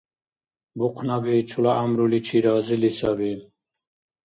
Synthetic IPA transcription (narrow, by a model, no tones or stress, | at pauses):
buqʰnabit͡ʃʰulaːmɾulit͡ɕʰiɾɑːzilisabi